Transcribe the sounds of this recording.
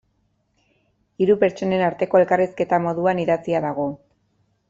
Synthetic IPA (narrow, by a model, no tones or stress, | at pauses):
iɾupe̞ɾt͡ʃo̞ne̞naɾt̪e̞ko̞e̞lkariske̞t̪amo̞ðuaniðat͡siaðaɣ̞o̞